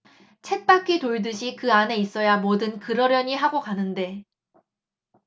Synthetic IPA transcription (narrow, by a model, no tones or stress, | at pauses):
t͡ɕʰe̞t̚p͈ak͈ʰitoɭdɯɕ̬ʰikɯane̞is͈ʌjamodɯnkɯɾʌɾjʌɲiɦaɡokanɯnde̞